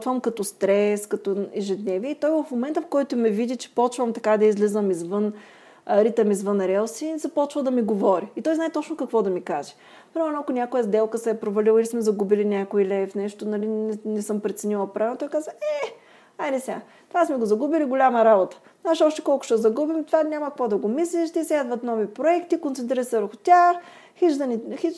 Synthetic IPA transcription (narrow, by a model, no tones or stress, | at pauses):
t̪vəmkɐt̪ost̪ɾɛskɐt̪ɔɛʒɛd̪nɛviɛit̪ɔjvɐfmomɛnt̪əfkɔjt̪ʊmɛvid̪it͡ʃɛ̥pɔt͡ʃvəmt̪ɐkad̪ɐizlizəmizvɤn | ɾit̪əmizvɤnɾɛlˠsizɐpɔt͡ʃvəd̪ɐmiɡovɔɾiːt̪ɔjznaɛt̪ɔt͡ʃnokɐkvɔd̪ɐmikaʒɛ̥ | pɾimɛɾnoɐkʊnʲakojəzd̪ɛlˠkəsɛːpɾovɐlʲilˠəilismɛzɐɡubilinʲakoilʲɛfnɛʃt̪ʊnɐlinɛnɛsɤmpɾɛt̪sɛnilˠɐpɾavɛt̪ɔjkazəɛ | ajlɛsʲa | t̪ovasmɛɡozɐɡubiliɡolʲaməɾabot̪ə̥ | znaɛʃɔʃt̪ɛ̥kɔlˠkʊ̥ʃɛzɐɡubimt̪ovanʲamɐkkvɔd̪ɐɡomislʲiʃt̪isʲɛd̪vɐt̪nɔvipɾoɛkt̪ikont̪sɛnt̪ɾiɾət̪sɛvəɾxʊt̪ʲax | xit͡ʃd̪ɐnixit͡ʃ